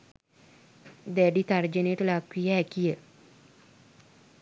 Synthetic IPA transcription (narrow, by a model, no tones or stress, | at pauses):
d̪æɖit̪ard͡ʒənejəʈəlakwijəɦɛkijə